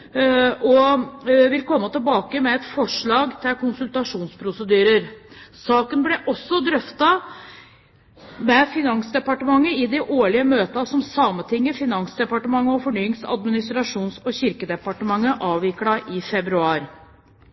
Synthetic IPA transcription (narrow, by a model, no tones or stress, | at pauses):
ʔɔ | ʋɪlkʰɔmːət̪ɪlbɑːkəmɛɛt̪fɔʂɭɑːɡt̪ʰɪlkʊnsʉlt̪ɑʂuːnspʰɾʊsəd̪yːɾəɾsɑːkənblɛʔɔsːɔd̪ɾœft̪ɑ | mɛfɪnɑŋsd̪ɛpɑʈəmɑŋːəɪd̪ɛʔoːɭɪəmøːt̪əɑsɔmsɑːmət̪ʰɪŋːəfɪnɑŋsd̪ɛpɑʈəmɑŋːəɔfɔɳyːɪŋsɑ̰d̪mɪnɪst̪ɾɑʂuːnsɔɕɪɾkəd̪ɛpɑʈəmɑŋːəʔɑːʋʋɪklɑʔɪfɛbɾʉɑːɾ